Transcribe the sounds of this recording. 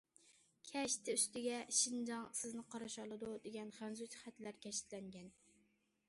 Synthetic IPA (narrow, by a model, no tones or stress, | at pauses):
kʲʰɛʃt̪ʰɪyst̪ɪɡʲɛʃind͡ʒɑŋsɪznɪqʰɑɾɑʃɑlˠɨd̪ud̪eɡʲɛnχænzut͡ʃʰχæt̪læɾkʲʰɛʃɪ̥t̪lɛŋɡʲɛn